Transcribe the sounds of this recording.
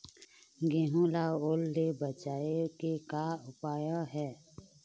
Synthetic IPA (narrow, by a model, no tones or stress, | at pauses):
ɡɪɦũlaoːlːebət͡ʃaːekekaʊpaːjãɦɛː